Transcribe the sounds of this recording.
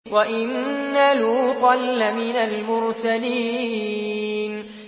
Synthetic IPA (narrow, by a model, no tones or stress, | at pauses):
waʔɪnːaluːqɑlːamɪnalmʊɾsaliː | n